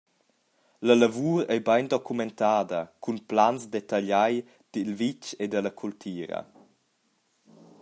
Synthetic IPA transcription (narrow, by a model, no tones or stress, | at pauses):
ləlavuːɾɛjbajndɔkʰumɛnt̪aːdəkʰunplansdet̪aʎaj | d̥ilvit͡ʃedələkʰult̪ʰiːɾɐ̰